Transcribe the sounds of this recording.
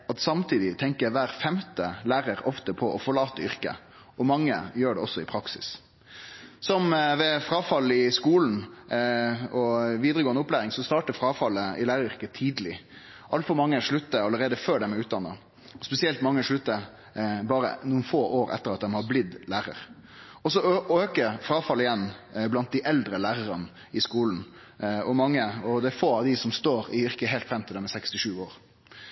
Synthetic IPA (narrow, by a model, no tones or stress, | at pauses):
ɑt̪sɑmt̪ʰiːd̪ɪt̪ʰɛŋkəʋæːɾfɛmt̪əlæːɾəɾɔft̪əpʰɔʔɔfɔɭɑːt̪əʏɾkə̰ | ɔmɑŋːə̰jøːɖɛɔsːɔɪpʰɾɑksɪ̰s | sɔmʋɛfɾɑːfɑlːɪskuːln̩ | ɔʋiːd̪ɾəɡoːənəʊplæːɾɪŋsɔst̪ɑːʈəfɾɑːfɑlːəɪlæːɾəɾʏɾkət̪ʰiːd̪əlɪ | ʔɑlt̪fɔɾmɑŋːəʂɭʉt̪ːəɑləɾeːd̪əføːɖɛmɛʉːt̪̚d̪ɑnːə | ɔspɛsɪɛlt̪mɑŋːəʂɭʉt̪ːə | bɑːɾə̰nuːənfoːʔoːɾɛ̰t̪ːəɾɑt̪̚d̪ɛmhɑblɪd̪læːɾə̰ɾ | ɔsɔøːkəfɾɑːfɑlːɪjɛnːblɑnt̪̚d̪ɪʔɛld̪ɾəlæːɾəɾənə | ɪskuːln̩ | ɔmɑŋːəɔd̪ɛæɾfoːɑʋd̪ɪsɔmst̪oːɾɪʋɪʁkəɦeːlt̪fɾɛmt̪ʰɪld̪ɛmɛsɛkst̪ɪʂʉːoːɾ